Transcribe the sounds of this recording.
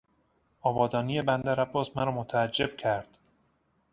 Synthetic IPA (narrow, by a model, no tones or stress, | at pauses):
ʔɒːbɒːd̪ɒːnije̞bænd̪æɾæbːɒːsmæɾɒːmot̪ʰæːd͡ʒːe̞b̥̚cʰæɾd̪̥